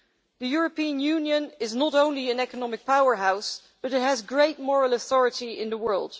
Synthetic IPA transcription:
ðɨjʊɹəpiə̃njʉ̃njɨ̃nɪznəɾõʊ̃nliɨ̃nɛkənɑmɨk̚pʰaʊə˞ɦaʊs | b̥ʌɾɨt̚ɦɨzɡɹeɪt̚mɔɹəl̩ˠəθɔɹɨɾiɪ̰̃nðəwɜ˞lˠd̥

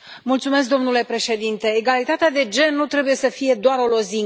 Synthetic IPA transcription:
mult̪sumes̬k̚d̪o̞mnule̞pɾe̞ʃe̞d̪int̪e̞ːɡalit̪at̪ead̪e̞d͡ʒe̞nːut̪ɾe̞buje̞səfije̞d̪oaɾo̞lo̞ziŋ

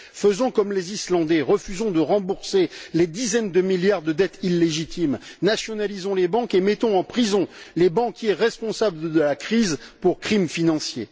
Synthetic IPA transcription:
fəzɔ̃kɔmlezislɑ̃d̪ɛʁəfyzɔ̃d̪əʁɑ̃buʁseled̪izɛnd̪əmiljaʁd̪əd̪ɛt̪ilːeʒit̪imnasjɔnalizɔ̃lebɑ̃kemɛt̪ɔ̃ɑ̃pχizɔ̃lebɑ̃kʲjeʁɛspɔ̃sabləd̪əlakχizpuʁkχimfinɑ̃sje

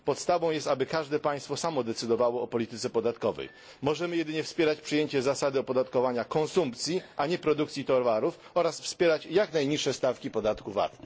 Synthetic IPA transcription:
pɔt̪st̪avɔ̃w̃jɛst̪abɘkaʐd̪ɛpaj̃st̪fɔsamɔd̪ɛt̪sɘd̪ɔvawɔːpɔlʲit̪ɘt̪sɛpɔd̪at̪kɔvɛ̰j | mɔʐɛmɘjɛd̪ɘɲɛfspʲjɛɾat͡ɕpʂɨjeɲt͡ɕɛzasad̪ɘɔpɔd̪at̪kɔvaɲakɔnsumpt̪sʲjiʔaɲɛpɾɔd̪ukt̪sʲit̪ɔɾvaɾuf | ɔɾasfspʲjɛɾat͡ɕjaknajɲiʂːɛst̪afkʲipɔd̪at̪kuva̰t̪

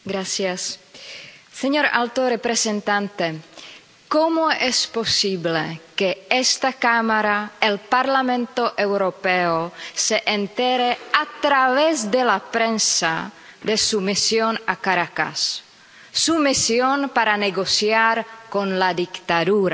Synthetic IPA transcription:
ɡɾasjasː | eɲo̞ɾalt̪orepɾesent̪ant̪e | komoespo̞siβlekeest̪akamaɾaelpaɾlamẽ̞nt̪o̞ʔewɾopeoseʔent̪eɾeat̪ɾaβezd̪elapɾensa̰ | d̪esumisjonakaɾaka̰sː | umisjonpaɾaneɣo̞sjaɾko̞nlad̪ikt̪aðuɾa

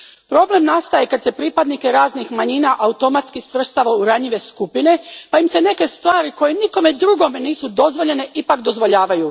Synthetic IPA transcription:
pɾo̞ble̞mnast̪ajekad̪se̞pɾipad̪nike̞ɾaːznixmaɲiːnaʔaut̪o̞mat̪skisʋr̩st̪aʋauɾaɲiʋe̞skupine̞paimse̞ne̞ke̞st̪ʋaːɾiko̞je̞niko̞me̞d̪ɾuɡo̞meniːsud̪o̞zʋo̞ʎe̞ne̞ʔipakd̪o̞zʋo̞ʎaːʋaju

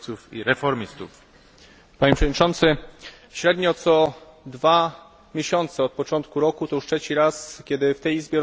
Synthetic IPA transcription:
t̪sufḭɾɛfɔɾmʲist̪uf | paɲepʂɛvɔdɲit͡ʂɔnt̪sɘ | ɕɾɛd̪ɲɔt̪sɔ | d̪va | mʲjeɕɔnt̪sɛɔt̪̚pɔt͡ʂɔnt̪kuɾɔkut̪ɔuʂtʂɛt͡ɕiɾaskʲɛd̪ɘft̪ɛjizbʲjɛɾ

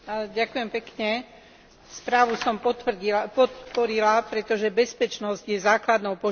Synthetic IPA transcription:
aɟakujɛmpɛkɲɛ | spɾaːʋusɔmipɔt̪pɔɾilapɾɛt̪ɔʒɛbɛspɛt͡ʃnɔzɟjɛzaːklad̪nɔʊpɔ

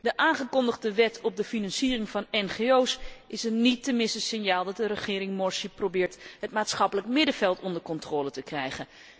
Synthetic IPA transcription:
dəʔaːnχəkɔndəχdəʋɛtʰɔb̚dəfinɑnsiːərɪŋvɑnɛnχeowsɪsətnitːəmɪnstəsɪnjaːlˠdɑt̚dəɾəχɪːɾɪŋmɔɹsiprowbɪːɹtɦətmaːtsχɑpələkmɪdəvɛlˠtɔndəɹkɔntroːlətəkrɛjχən

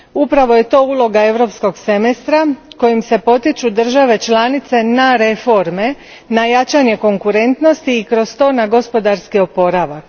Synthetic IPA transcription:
upɾaʋo̞je̞t̪o̞ːuːlˠo̞ɡae̞ʋɾo̞psko̞ɡsemest̪ɾako̞jimse̞po̞t̪it͡ʃud̪r̩ʒaʋe̞t͡ʃlanit̪se̞naɾe̞fo̞ɾme̞ | najat͡ʃaɲe̞ko̞ŋkuɾe̞nt̪no̞st̪iːkɾo̞st̪o̞ːnaɡo̞spo̞d̪aɾskio̞po̞ɾaʋak

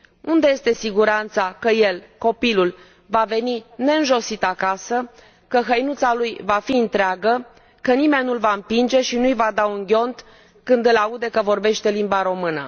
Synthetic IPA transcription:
und̪e̞je̞st̪e̞siɡuɾant̪sakəje̞lko̞pilul | vave̞nine̞ɨnʒo̞sit̪akasə | kəɦəjnut̪salujvafiɨnt̪ɾeaɡə | kənime̞nːulvaɨmpind͡ʒe̞ʃinujvad̪auŋɡʲo̞nt̪ | kɨnd̪ɨlaud̪e̞kəvo̞rbe̞ʃt̪e̞limbaɾo̞mɨnə̰

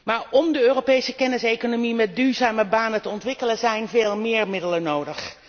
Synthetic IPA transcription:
maːɹɔmdəøːropejsəkɛnɪsejkonomimɛt̚dyːɹzaːməbaːnətəɔntʋɪkələnzɛjnveːlˠmɪːɹmɪdələnowdəχ

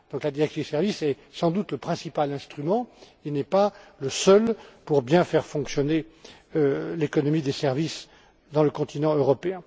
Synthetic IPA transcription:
d̪̥ɔ̃klad̪iʁɛksĩd̪esɛʁvisɛ | sɑ̃d̪ut̪ləpχɛ̃sipalɛ̃st̪χymɑ̃ | inɛpaləsœlpuʁbjɛ̃fɛʁfɔ̃ksjɔne | lekɔnɔmid̪esɛʁvis | d̪ɑ̃ləkɔ̃t̪inɑ̃øʁɔpeɛ̃

